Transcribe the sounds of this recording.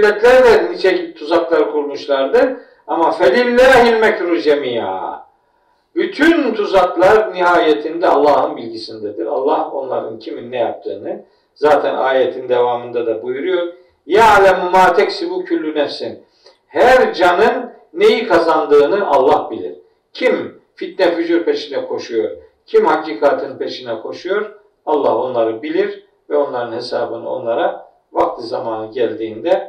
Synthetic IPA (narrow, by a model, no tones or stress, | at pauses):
lʲːɛt̪ʰlʲæɾd̪ɛnit͡ʃʰɛcit̪ʰuzaklˠaɾkʰuɾmuʃlˠaɾd̪ɯɾ | amafelilʲːæɾɦinmɛcɾuzemija̰ːa̰ | byt̪ʰynt̪ʰuzaklˠaɾniɦaːjet̪ʰind̪ɛalˠːaːhɯnbilʲɟisind̪ɛd̪ḭɾa̰lˠːaho̞̰nlˠa̰ɾɯ̰ncʰiminːɛja̰p̚t̪ʰɯ̰ːnɯ | z̥aːt̪ʰɛna̰ːjɛt̪ʰind̪evaːmɯnd̪ad̪abujuɾujo̞ɾ | jaalʲɛmumaːt̪ʰɛcsibucʰylʲːynɛfsin | hæɾd͡ʒanɯnː | e̞jikʰazand̪ɯːnɯʔa̰lˠːahbilʲḭɾ̥ | cʰim | fit̪̚nɛfyzuɾpʰe̞ʃinɛkʰo̞ʃujo̞ɾ̥ | cʰimhaciːkʰaːt̪ʰɯnpʰe̞ʃinɛkʰo̞ʃujo̞ɾ | alˠːaho̞nlˠaɾɯbilʲiɾ | vɛo̞nlˠaɾɯnhe̞sa̰ːbɯnɯ̰o̞̰nlˠaɾa | vakt̪ˠɯzamaːnɯɟælʲd̪iːnd̪ɛ